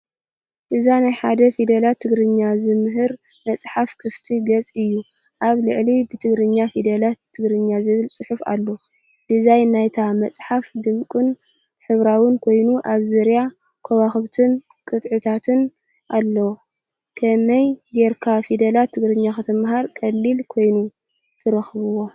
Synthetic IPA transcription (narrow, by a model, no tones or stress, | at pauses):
ʔɨzanajħad̪ɐfid̪ɐlat̪ʰːɨɡɾɨɲːazɨmɨɦɨɾ | mɐt͡sʼħafkʰɨft̪ʰiɡɐt͡sʼɨjːu | ʔaβlɨʕlibɨt̪ʰɨɡɾɨɲːafid̪ɐlat̪ʰːɨɡɾɨɲːazɨβɨlsʼɨħufa̰lːo | d̪izajnajt̪ʰamɐt͡sʼħafɡɨmkʼɨn | ħɨβɾawɨnkʰo̞jnuʔaβzɨɾja | kʰɐwaxɨβt̪ʰɨn | kʼɨt̪ʼʕɨt̪ʰat̪ʰɨn | ʔalːɐw | kʰɐmɐjɡeɾkʰafid̪ɐlat̪ʰːɨɡɾɨɲːaxɐt̪ʰɐmɦaɾkʼɐlːilkʰo̞jnu | t̪ʰɨɾɐxɨβɨwo̞